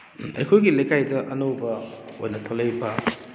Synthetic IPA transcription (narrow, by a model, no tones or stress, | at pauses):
ɐ̰jkʰojɡilɐjkajdɐʔɐnowbɐo̰jnɐtʰolejbɐ